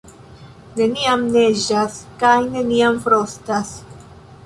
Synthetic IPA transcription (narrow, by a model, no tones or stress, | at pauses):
ne̞niamne̞d͡ʒaskajne̞niamfɾostas